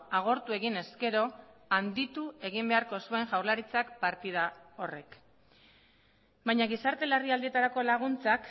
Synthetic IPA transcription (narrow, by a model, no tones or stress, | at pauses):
aɣ̞o̞ɾt̪ue̞ɣine̞ske̞ɾo̞and̪it̪ue̞ɣimbe̞aɾko̞sue̞ŋʝawɾlaɾit͡sakpaɾt̪ið̞ao̞re̞k | bajɲaɣisaɾt̪e̞lariald̪iet̪aɾako̞laɣ̞unt͡sak